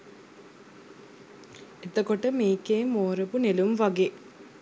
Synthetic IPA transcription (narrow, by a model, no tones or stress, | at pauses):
et̪əkoʈəmeːkeːmoːɾəpunelumʋaɡeː